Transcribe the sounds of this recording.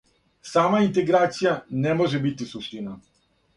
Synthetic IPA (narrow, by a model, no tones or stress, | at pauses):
saːmaint̪eɡɾaːt̪sijanemo̞ʒebit̪isuʃt̪ina